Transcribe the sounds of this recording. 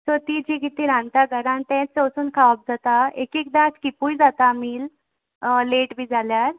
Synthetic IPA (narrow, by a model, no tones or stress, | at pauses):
sɔt̪id͡ʑikit̪iɾãnt̪aɡʱəɾãnt̪ɛ̃t͡səwsuːnkʰaəp̚d͡zat̪aekek̚d̪at͡skipujd͡zat̪amiːl | leʈbʱiːd͡zʱaljaɾ